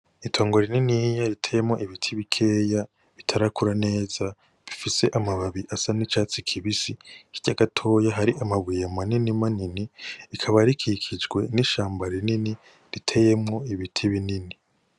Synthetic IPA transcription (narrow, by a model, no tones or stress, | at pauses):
itʰo̞ːŋɡo̞ɾininijaɾitʰejemŋo̞ʔiβitʰiβikʰe̞ːja | βitʰaɾakuɾane̞ːz̥a | βifise̞ʔamaβaβiʔasanit͡ʃaːt͡sikʰiβisiiɟaɡatʰo̞ːjaɦaɾiʔamaβijamaninimaniniikʰaβaɾikʰikʰid͡ʒɡwe̞niʃaːmbaɾinini | ɾitʰe̞je̞mŋo̞iβitʰiβinini